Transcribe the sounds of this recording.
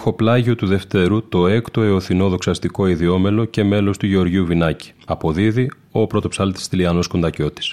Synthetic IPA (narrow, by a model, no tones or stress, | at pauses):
xo̞plɐʝiot̪uðe̞ft̪e̞ɾut̪o̞e̞kt̪o̞eoθino̞ðo̞ksɐst̪iko̞iðio̞me̞lo̞ce̞me̞lo̞st̪uʝe̞o̞ɾʝiuvinɐci̥ɐpo̞ðiði | o̞pɾo̞t̪o̞psɐlt̪i̥st̪iliɐno̞skond̪ɐco̞t̪i̥s